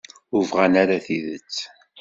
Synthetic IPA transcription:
ʊvʁænaɾaθiðət͡sː

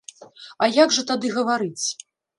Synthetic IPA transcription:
ajaɡʐɐt̪ad̪ɨɣɐvaɾɨt͡sʲ

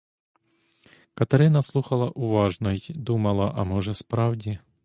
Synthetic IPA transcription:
kɐt̪ɐɾɪnɐslˠuxɐlˠɐʔuʋɑʒnɔjd̪umɐlˠɐʔɐmɔʒɛspɾɑwdʲi

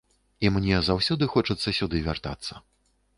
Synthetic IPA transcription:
imnʲɛzawsʲɔd̪ɨxɔt͡ʂɐt̪sːɐsʲud̪ɨvʲart̪a̰t̪sːɐ̰

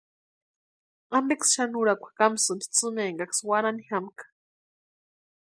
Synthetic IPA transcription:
ambeksʃanuɾakʷʰḁkamsɨnt̪ʰi̥t͡sɨmeŋɡakswaɾanihamkḁ

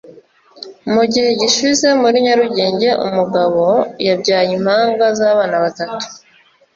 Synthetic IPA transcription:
muɟihe̞ɟiʃize̞muɾiɲaɾuɟeːɲɟe̞ʔṵmuɡaβo̞jabɟaːjim̥haːŋɡazaːβaːnaβatatu̥

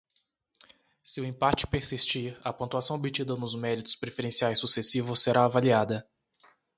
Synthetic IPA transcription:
sɪʊẽpat͡ʃɪ̥peɾsist͡ʃiɾɐpõt̪uasɐ̃w̃obit͡ʃid̪ɐnʊzmɛɾit̪ʊspɾefeɾẽsiajsːusesivʊsːeɾaːvaliad̪ɐ

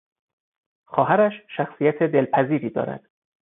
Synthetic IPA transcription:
xɒːɦæɾæʃʃæxsijæt̪ʰed̪e̞lpʰæziːɾiːd̪ɒ̰ːɾæ̰d̪̥

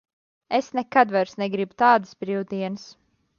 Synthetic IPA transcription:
esnɛkad̪vaɾsnɛɡɾibut̪aːd̪ɨsbɾiwd̪iɛnɨs

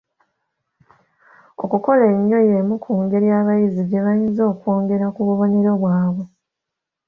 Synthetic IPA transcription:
o̞kuko̞le̞ɲːo̞jemukʰuːŋɡe̞ɾjaːβajiziɡe̞βajinzo̞ːkwo̞ːŋɡe̞ɾakuβuβo̞ɲeɾo̞βwaːβwe̞

